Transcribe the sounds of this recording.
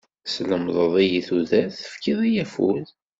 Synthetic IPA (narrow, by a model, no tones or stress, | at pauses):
sləmðˤəðˤijiθuðæθəfkiðˤijæfṵð